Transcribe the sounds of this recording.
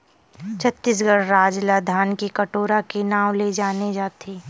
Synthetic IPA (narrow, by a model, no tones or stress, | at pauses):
t͡ʃʰɐt̪ːɪs̬ɡəɽɾaːd͡ʒlaːd̪ʱaːnkikɐʈoːɾakenaːwled͡ʒaːned͡ʒaːt̪ʰeː